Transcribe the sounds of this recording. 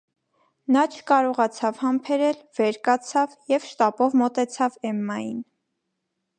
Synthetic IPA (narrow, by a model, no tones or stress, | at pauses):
nɑt͡ʃʰə̥kɑɾɔʁɑt͡sʰɑvhɑmpʰɛɾɛlvɛɾkɑt͡sʰɑvjɛvʃt̪ɑpɔvmɔt̪ɛt͡sʰɑvɛmːɑjin